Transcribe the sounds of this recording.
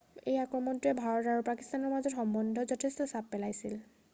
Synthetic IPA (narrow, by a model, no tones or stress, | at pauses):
ejakɹɔmɔntuɛbʱaɹɔtaɹupakist̪anɔɹmazɔtxɔmbɔndʱɔzɔtʰɛstɔsapːɛlajsil